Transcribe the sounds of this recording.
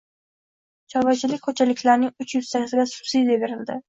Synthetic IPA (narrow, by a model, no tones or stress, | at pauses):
t͡ʃʰɒvat͡ʃʰɪlɪk̚ʲkʰot͡ʃʰalɪkʲlaɾnɪŋʊt͡ʃjʊz̥t̪ʰakʲɪzɪɡʲasʊ̥sijd̪eveɾɪld̪ɪ